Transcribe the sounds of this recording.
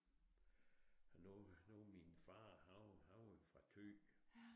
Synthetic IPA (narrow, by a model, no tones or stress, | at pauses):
hnnominfɑ̈ːhɑ̈ʊnhɑ̈ʊfʁɑ̈t͡sʰø̰